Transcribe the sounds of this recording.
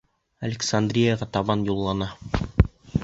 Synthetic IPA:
ɐlʲɪksand̪rʲijaʁɑt̪ɑβɑnjulˠːɑnɑ

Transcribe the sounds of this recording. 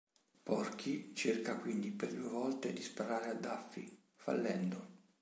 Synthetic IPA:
pɔrkʰit͡ʃerkakwind̪iperd̪uːevɔlt̪ed̪ispaɾaːɾead̪ːafːḭ | fa̰lːɛnd̪o

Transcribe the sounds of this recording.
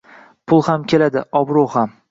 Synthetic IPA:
pʰʊlˠhamkʲʰe̞lad̪ɪɒbɾoham

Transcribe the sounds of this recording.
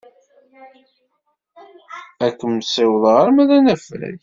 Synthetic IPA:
ækːəmsɪwəðˤʁəɾmæðænæfɾæ̰j

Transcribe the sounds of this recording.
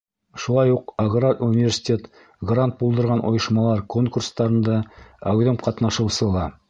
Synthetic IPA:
ʃulˠɑjuqaɡraɾunʲivʲersʲi̥t̪ʲet̪ | ɡrant̪̚bulˠd̪ɤ̆ɾʁɑnʔo̰jɤ̆ʃmɑlˠɑɾko̞ŋkurst̪ɑɾɤ̆nd̪ɑæwðɘmqɑt̪nɑʃɤ̆wsɤlˠɑ

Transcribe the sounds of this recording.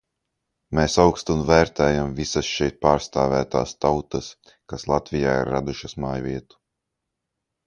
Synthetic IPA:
meːsawkst̪unvæːɾt̪ɛːjamvisɐsʃɛjt̪̚paːɾst̪aːvæːt̪aːst̪awt̪ɐs | kaslˠat̪vijaːḭɾːad̪uʃɐsmaːjvʲiɛt̪u̥

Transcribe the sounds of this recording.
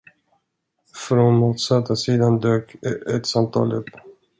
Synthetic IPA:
fɾonmuːt̪sat̪ʰːasiːd̪and̪øːkɛt̪samt̪ʰɑ̰ːlɵ̰pː

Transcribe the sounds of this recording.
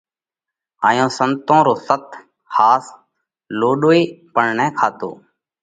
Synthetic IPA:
aːjõːsənt̪õːɾoːsət̪ | haːs | loːɗoːeːpəɳɳɛ̃ːkʰaːt̪o̰ː

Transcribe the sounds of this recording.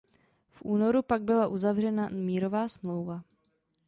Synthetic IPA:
fʔuːno̞ɾupaɡ̚bɪlaʔuzavrɛnamiːɾo̞vaːsmlo̞wva

